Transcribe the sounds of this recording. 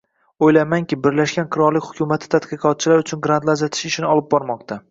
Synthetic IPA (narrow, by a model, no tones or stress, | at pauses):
ojlamaŋkʲɪbɪɾlaʃɡʲanqʰɨɾɒɾlɪkʲhʊkʲʰʊmat̪ʰɪ̥t̪ʰat̪qɨqʰɒt̪̚t͡ʃʰɪlaɾʊt͡ʃʰʊnɡɾant̪lˠazat̪ʰɪ̥ʃɪʃɪnɪɒlˠɪp̚bɒɾmɒq̚t̪ʰa